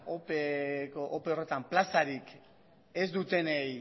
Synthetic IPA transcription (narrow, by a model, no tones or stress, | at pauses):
opekoʔope̞o̞re̞t̪amplasaɾik | e̞zd̪ut̪e̞nej